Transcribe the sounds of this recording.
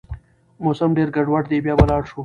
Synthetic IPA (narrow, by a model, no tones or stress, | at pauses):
mosɐmɖeɾɡaɖwaʈd̪ebjɑːbɐlɑːɽʃu